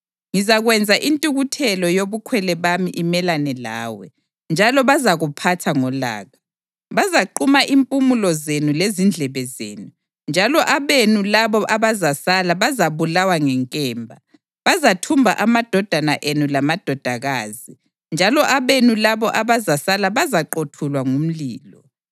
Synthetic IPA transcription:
ŋizaɣwɛnd͡zʱaʔintʼuɣutʰɛlɔjoβukʰwɛlɛβamiʔimɛlanɛla̰ːwɛ | nd͡ʒʱalɔβazaɣupʰatʰaŋɔla̰ːɣa | βazaǃumaʔimpʼumulɔzenulezind͡ɮʱɛβɛzḛːnu | nd͡ʒʱalɔʔaβenulaβɔʔaβazasalaβazaβulawaŋɛŋkʼɛːmbʱa | βazatʰumbʱa̰ʔamad̥ʱɔd̥ʱanaʔenulamad̥ʱɔd̥ʱaɣaːzi | nd͡ʒʱalɔʔaβenulaβɔʔaβazasalaβazaǃotʰulwaŋum̩liːlɔ

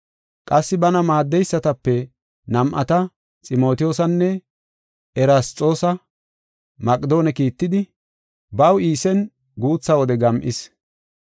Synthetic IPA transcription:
kʼɐsːɪbɐnɐmaːd̪ːɛjsːɐt̪ɐpːɛ | nɐmʔɐ̰t̪ɐ | t͡sʼɪmo̞ːt̪ɪjoːsɐnːɛ | ɛɾast̪ʼːo̞ːsɐ | mɐkʼd̪o̞ːnɛkiːt̪ːɪd̪ɪ | bɐwiːsɛn | ɡuːt͡sːɐwɔd̪ɛɡɐmʔɪs

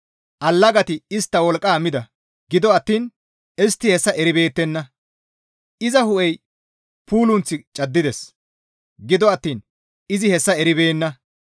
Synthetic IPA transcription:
ʔɐlːɐɡɐt̪ɪɪst̪ːɐwɔlkʼːaːmɪd̪ɐ | ɡɪd̪ɔɐt̪ːiːn | ɛst̪ːɪhɛsːɐʔɛɾɪbe̞ːt̪ːɛnːɐ | ʔɪzɐhʊʔɛj | puːlʊnt͡sːɪt͡ʃʼɐd̪ːɪd̪ɛs | ɡɪd̪ɔɐt̪ːiːn | ɪzɪhɛsːɐɛɾɪbe̞ːnːɐ

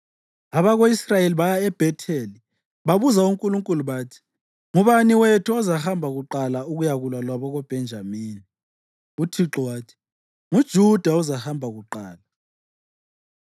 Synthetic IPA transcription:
aβaɣoisrajeliβajaɛb̥ʱɛtʰeli | βaβuzauŋkʼuluŋkʼuluβaːtʰi̥ | ŋuβaniwetʰuɔzahambʱaɣuǃalauɣujaɣulwalwaβɔɣɔb̥ʱɛnd͡ʒʱamiːni | utʰiǁɔwaːtʰi̥ | ŋud̥ʒ̥ʱud̥ʱauzahambʱaɣuǃaːla

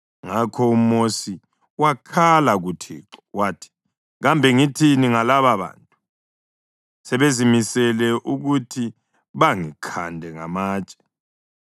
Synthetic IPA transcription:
ŋakʰɔum̩mosi | wakʰalaɣutʰḭːǁɔ̥waːtʰi̥ | ɣambʱɛŋitʰiniŋalaβaβa̰ːntʼu | sɛβezimisɛlɛʔuɣutʰi | βaŋikʰandʱɛŋa̰maːt͡ʃʼɛ̥

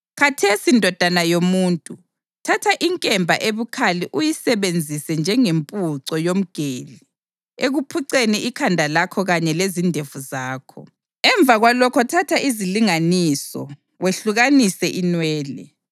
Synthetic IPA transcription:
kʰatʰesindʱɔd̥ʱanajomuːntʼu | tʰatʰaʔiŋkʼɛmbʱaʔeβukʰaliʔujisɛβend͡zʱisɛnd͡ʒʱɛŋempʼuǀɔjom̩ɡ̥ʱeːli | eɣupʰuǀeniikʰandʱalakʰɔɣaɲɛlezindʱevuzaːkʰɔ̰ | ɛɱbvʱaɣwalɔkʰɔtʰatʰaiziliŋanisɔ̰ | weɬuɣanisɛʔinwɛːlɛ̰

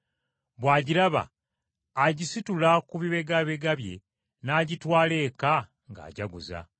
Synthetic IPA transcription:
βwaːɟiɾaβa̰ː | ɟisitulakuβiβe̞ɡaβe̞ɡaβje̞̰ | naːɟitwaːle̞ːka | ŋɡa̰ːɟaɡuza̰

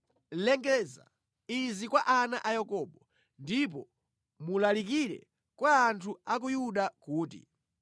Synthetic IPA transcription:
lɛŋɡɛza̰ | izikwaʔana̰ʔajakɔːɓɔ | ndip̬ɔ | mulalikiɾɛ̰ | kwaːntʰuak̬ujuɗakuːtḭ

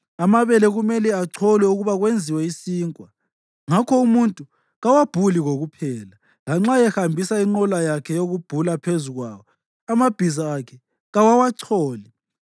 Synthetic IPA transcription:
amaβɛlɛɣumɛlɛaǀʰɔlɛuɣuβaɣwend͡zʱiwɛisiːŋkʼwa | ŋakʰɔumuntʼu | ɣawab̥ʱuliɣoɣupʰɛːla | laŋ͡ǁajɛxambʱisaiŋ͡ǃɔlajakʰɛjoɣub̥ʱulapʰezuɣwa̰ːwɔ | amab̥ʱizaːkʰɛ | ɣawawaǀʰɔːli

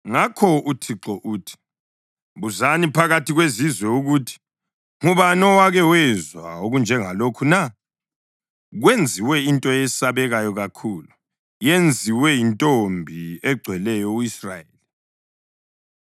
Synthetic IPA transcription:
ŋakʰɔutʰiǁɔʔuːtʰi̥ | βuzanipʰaɣatʰiɣwezizwɛuɣutʰi̥ | ŋuβanɔwaɣɛwɛzwa̰oɣund͡ʒʱɛŋalokʰuna | ɣwend͡zʱiwɛintʼɔjɛsaβɛɣajɔɣakʰulu | jend͡zʱiwɛintʼombʱiɛɡ͡ǀʱwɛlɛjɔuisra̰jeli

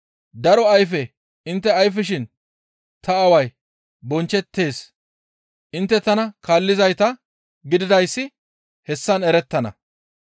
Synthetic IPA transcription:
d̪ɐɾɔɐjfɛ | ɪnt̪ːɛɐjfɪʃɪn | t̪ɐɐwɐj | bɔnt͡ʃːɛt̪ːe̞ːs | ʔɪnt̪ːɛt̪ɐnɐkaːlːɪzɐjt̪ɐ | ɡɪd̪ɪd̪ɐjsːɪ | hɛsːɐnɛɾɛt̪ːɐnɐ̰

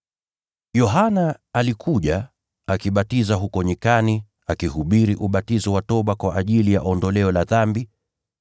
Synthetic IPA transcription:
jɔɦanaːlikʰuʄa | akiɓatizaɦukɔɲikani | akihuɓiɾiʔuɓatizɔwatɔɓakwaʔaʄilija̰ʔɔndɔlɛɔlaðambi

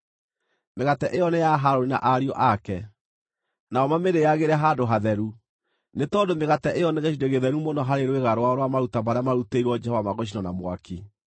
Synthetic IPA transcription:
meɣatɛʔejɔnejaɦaɾoɾina̰ʔaɾiɔʔakɛ | naɔmameɾejaɣeɾɛɦadoɦaðɛɾu | netɔːdomeɣatɛʔejɔneɣeʃideɣeðɛɾumɔnɔɦaɾeɾweɣaɾowaɔɾwamaɾutamaɾamaɾuteiɾwɔd͡ʒɛhɔvamaɣɔɕ̬inɔnamwaki

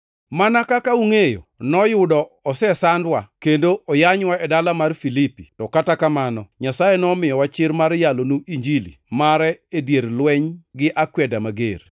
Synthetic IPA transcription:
manakakauŋejo̰nɔjʊdɔɔsɛsandwakendoɔjaɲwaɛdalamarfilipitɔkatakamanɔɲasajenɔmɪjɔwat͡ʃɪɾmaɾjalonuʔiɲd͡ʒilḭmaɾɛedjeɾlwɛɲɡɪʔakwɛdamaɡḛr

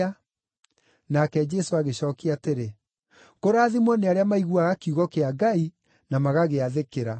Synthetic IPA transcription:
a | nakɛd͡ʑɛsoaɣeɕɔːkeateɾe | koɾaːðimwɔneaɾeamaiɣuaɣakiuɣɔkeaɡai | namaɣaɣeaðekeɾa

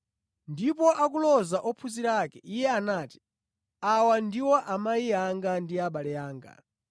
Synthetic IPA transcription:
ndipɔʔakulɔzaʔɔpʰuziɾakɛʔijɛanaːti̥ | awandiwɔʔamaiaŋɡandiaɓalɛaːŋɡa̰

